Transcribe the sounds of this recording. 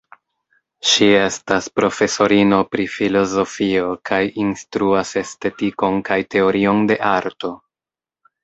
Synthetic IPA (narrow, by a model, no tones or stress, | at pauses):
ʃie̞staspɾo̞fe̞so̞ɾino̞pɾifilo̞zo̞fio̞kʰajinstɾuase̞ste̞tiko̞nkajte̞o̞ɾio̞nde̞ʔaɾto̞